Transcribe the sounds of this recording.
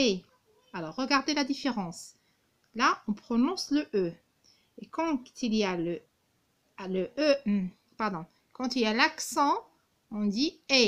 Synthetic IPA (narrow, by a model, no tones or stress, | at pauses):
e | alɔʁːəɡaʁd̪elad̪ifeʁɑ̃s | laɔ̃pχɔnɔ̃sləʔø | ekɑ̃t̪ilialə | ləʔøm̩ | paʁd̪ɔ̃ | kɑ̃t̪iljalaksɑ̃ | ɔ̃d̪ie